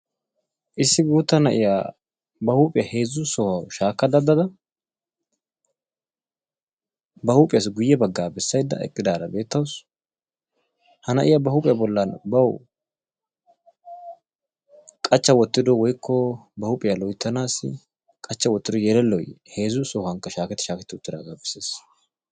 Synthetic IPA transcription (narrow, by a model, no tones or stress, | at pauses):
ʔɪsːɪɡuːt̪ːɐnɐʔɪja | bɐhuːpʼɪjɐhe̞ːzʊsɔwɐwʃaːkːɐd̪ɐd̪ːɐd̪ɐ | bɐhuːpʼɪjɐs̬ɡʊjːɛbɐɡːaːbɛsːɐjd̪ːɐ̰ɛ̰kʼːɪd̪aːɾɐbe̞ːt̪ːɐws | hɐnɐʔɪjabɐhupʼɪjɐbɔlːɐnbɐwʊ | kʼɐt͡ʃːɐwɔt̪ːɪd̪ɔwɔjkʰːɔbɐhʊpʼɪjalɔjt̪ːɐnaːsɪ̰ | kʼɐt͡ʃːɐwɔt̪ːɪd̪ɔjɛlɛlːɔjhe̞ːzʊsɔːhɐŋkːɐʃaːkɛt̪ːɪʃaːkɛt̪ːɪʊt̪ːɪd̪a̰ːɡaːbɛsːeːs